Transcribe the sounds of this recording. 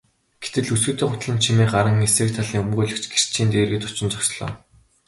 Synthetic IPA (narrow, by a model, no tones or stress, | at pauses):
ɡ̥e̥t̪ɘ̆ɮusɡɘ̆t̪eːχʊt̪ɮə̆nt͡ɕʰimeːɢaɾə̆ŋːeseːk̚t̪ʰaɮiːŋɵmɡuːɮɘ̆kt͡ɕɡe̥r̥t͡ɕʰiːnt̪eːrɣɘ̆t̪ʊt͡ɕɪ̆nt͡ɕɔksɮɔ̰ː